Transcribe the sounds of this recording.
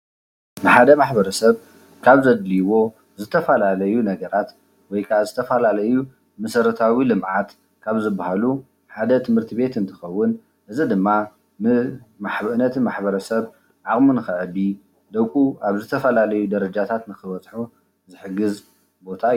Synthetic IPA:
nɨħad̪ɐmaħbɐɾɐsɐβ | kʰaβzɐd̪liwo̞ | zɨt̪ʰɐfɐlalɐjunɐɡɐɾat̪ | wɔjkʰazɨt̪ʰɐfɐlalɐju | mɨsɐɾɨt̪ʰawilɨmʕat̪ | kʰaβzɨbahalu | ħad̪ɐt̪ʰɨmhɨɾt̪ʰiβe̞t̪ɨnt̪ʰɨxɐwːʊn | ʔɨzid̪ɨmːa | mɨmaħbnɐt̪ʰimaħbɐɾɐsɐβ | ʕakʼmunɨxɨʕɨd̪i | d̪ɐwkʼuaβzɨt̪ʰɐfɐlalɐjud̪ɐɾɐd͡ʒat̪ʰat̪nɨxɨβɐt͡sʼħu | zɨħɨɡɨz | bo̞t̪ʰa

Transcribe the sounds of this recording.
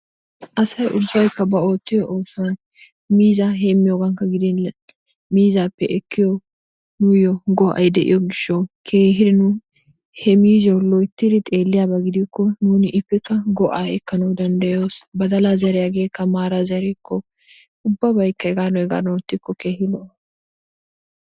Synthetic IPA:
ʔɐsɐjʔʊ̰bːɐjkːɐbɐoːt̪ːɪjɔʔoːsʊwɐn | miːzaɦe̞ːmːɪjoːɡɐŋkːɐɡɪd̪ɪn | miːzaːpːɛʔɛkːɪjɔ | nʊjɔɡɔʔɐ̰jd̪ɛʔɪ̰jɔɡɪʃːɐwkʰe̞ːɦɪd̪ɪnʊ | hɛmiːzɐwlɔjt̪ːɪd̪ɪt̪ʼe̞ːlːɪjaːbɐɡɪd̪ɪkːɔnuːnɪʔɪpːɛkːɐɡɔʔaːɛkːɐnɐwd̪ɐnd̪ɐjoːsbɐd̪ɐlazɐɾɛjaɡe̞ːkːɐmaːɾazɐɾɛkːɔ | ʊbːɐbɐjkːɐɡaːnɔjɡa̰ːnːt̪ːɪkʰːɔke̞ːhɪlɔ

